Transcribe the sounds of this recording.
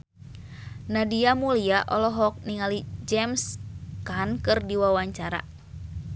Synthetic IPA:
nadiamuliaʔɔlɔɦɔk̚niŋalid͡ʒɛmskankɨrdiwawaɲt͡ʃaɾa̰

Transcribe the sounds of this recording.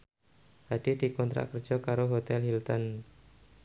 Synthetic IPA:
had̥idikɔnt̪ɾa̰ʔkər̥d͡ʒ̥ɔkaɾoɦot̪ɛlhilt̪ɔn

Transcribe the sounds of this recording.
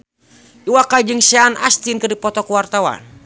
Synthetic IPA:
iwakad͡ʒɨŋsɛana̰st̪inkɨrdipɔt̪ɔkuwart̪awa̰n

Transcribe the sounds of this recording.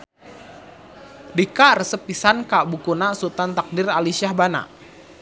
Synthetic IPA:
dikarəsəpisankaʔbukunasut̪ant̪ak̚diralisiahbana̰ʔ

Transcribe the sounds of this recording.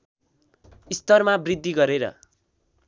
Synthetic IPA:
ist̪ʌrmabrid̪ʱːiɡʌɾeɾʌ̰

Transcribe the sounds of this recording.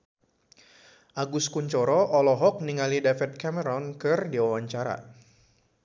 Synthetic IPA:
ʔaɡʊskuɲt͡ʃɔɾɔʔɔlɔɦɔk̚niŋalidafɛt̪̚kɛmɛɾɔnkɨrdiwawaɲt͡ʃaɾa̰

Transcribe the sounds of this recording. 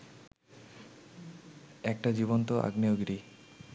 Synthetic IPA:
ɛk̚ʈad͡ʑibont̪oʔa̰ɡnioɡɾi

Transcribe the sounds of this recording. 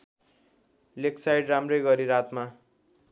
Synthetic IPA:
leksajɖramrʌjɡʌɾiɾat̪ma

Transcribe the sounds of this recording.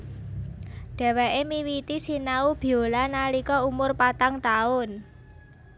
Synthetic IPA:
ɖ̥ɛ̤wɛʔemiwit̪isinaub̥i̤olanalikɔumʊrpat̪aŋt̪aʊn

